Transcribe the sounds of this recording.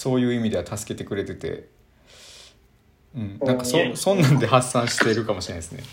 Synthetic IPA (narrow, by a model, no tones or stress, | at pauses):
so̞ːjɯ̟ːimʲid̪e̞βat̪asɨ̥ke̞t̪e̞kɯ̟ɾe̞t̪e̞t̪ḛ | ɯ̟̃ɴnãŋkasosõ̞nːãnd̪e̞ɦasːãɰ̃ɕi̥t̪e̞ɾɯ̟kamoɕiɾenaesɨne̞̰